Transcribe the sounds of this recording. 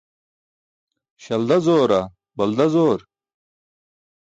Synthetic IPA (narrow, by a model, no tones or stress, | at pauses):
ɕɐld̪ɐzoːɾɐ | bɐld̪ɐzoːɾ